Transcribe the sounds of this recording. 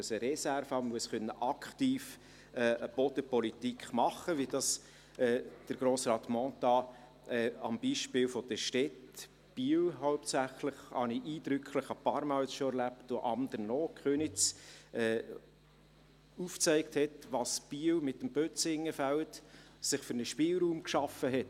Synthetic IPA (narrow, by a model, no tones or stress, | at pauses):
əsəɾɛsæɾfɑmmuəsχœnːəʔɑkχt̪iːf | ɛəb̥ɔd̥̪əpɔlit̪ikχmɑχəʋid̥ɑs | ɛːd̥əɾɡ̥ɾoːsrɑːt̪mɔːt̪ɑ | ɛɑ̰mb̥iʃpɪlfɔd̥̪əʃtɛt | b̥iəwɦɔʊptsæχləχhɑ̰niʔiːd̪̥ɾʏkʰχləχɑpɑːɾmɑlsʃoɛɾlæptoʔɑmd̥̪əɾnɔːkχønɪt͡sɛː | uft͡sɛɪkthɛtʋɑsb̥iwmɪtːəmb̥øt͡sɪŋːəfælt | sɪχfʏɾnəʃpɪːlɾuːmkʃɑfəɦɛt